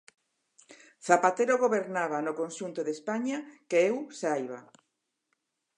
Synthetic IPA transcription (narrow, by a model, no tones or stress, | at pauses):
θapat̪eɾoɣoβeɾnaβanokonʃunt̪oðespaɲakeewsajβa